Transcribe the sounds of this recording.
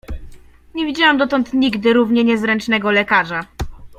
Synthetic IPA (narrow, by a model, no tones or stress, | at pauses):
ɲevʲid͡ʑawamd̪ɔt̪ɔnt̪ɲiɡd̪ɘɾuvɲɛɲɛzɾɛnt͡ʂnɛɡɔlɛkaʐa